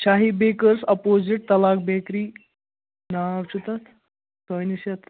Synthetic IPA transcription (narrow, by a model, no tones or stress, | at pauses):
t͡ɕaɦibekəɾsɐpoziʈ̚t̪ɐlak̚bekɾiː | naʋt͡ʃut̪at̪ | sanisjat̪